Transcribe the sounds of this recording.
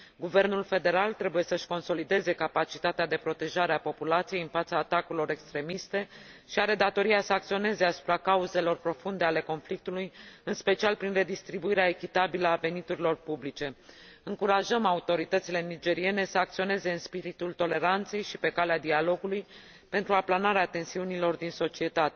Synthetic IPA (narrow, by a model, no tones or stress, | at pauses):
ɡuve̞rnulfe̞d̪e̞ɾalt̪ɾe̞buje̞səʃko̞nso̞lid̪e̞ze̞kapat͡ʃit̪at̪ead̪e̞pɾo̞t̪e̞ʒaɾeapo̞pulat̪sije̞jɨnfat̪saːt̪akuɾilo̞ɾe̞kst̪ɾe̞mist̪e̞ | ʃiaɾe̞d̪at̪o̞ɾiasəak̚t̪sio̞ne̞zeasu̥pɾakauze̞lo̞rpɾo̞fund̪e̞ale̞ko̞nflik̚t̪ulujɨnspe̞t͡ʃialpɾinre̞d̪ist̪ɾibuiɾeae̞kʲit̪abiləave̞nit̪uɾilo̞rpublit͡ʃe̞ɨŋkuɾaʒəmaut̪o̞ɾit̪ət̪sile̞nid͡ʒe̞ɾie̞ne̞səak̚t̪sio̞ne̞ze̞ɨnspiɾit̪ult̪o̞le̞ɾant̪se̞jʃipe̞kalead̪ialo̞ɡuluj | pe̞nt̪ɾuaplanaɾeat̪e̞nsiunilo̞rd̪inso̞t͡ʃie̞t̪at̪e̞